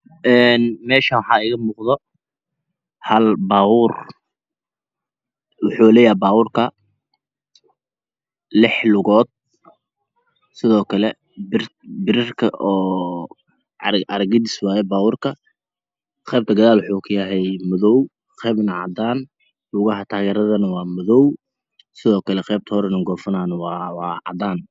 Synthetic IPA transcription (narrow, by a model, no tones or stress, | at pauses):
ʔɛːnmɛːʃɐwħɑːɪɣɐmuːqðɔ | hɐlbaːwur | wʊħuːlɛːjɛbaːwʊrkʰɐ | lɪħlʊɣɔːd̪̥̚ | sɪðɔːkʰɐlɛ | bɪrbɪɾɪrkʰɐ̰ʔɔː | ʔɐɾɡɪd̪ɪswaːjɛbaːwʊrkʰɐ | qɛːb̚t̪ʰɐɡɐðaːlwʊħuːkʰʊjɐɦɛjmʊðɔw | qɛːbnɐʕɑ̰d̪aːn | lʊɣɐɦɐt̪ʰaːɣɛːɾɐðɐnɐwɑːmʊðɔw | sɪðɔːkʰɐlɛqɛːb̚t̪ʰɐhɔɾɛnɐɡɔːfɐnaːnɐwɑwɑːʕɑ̰d̪aːn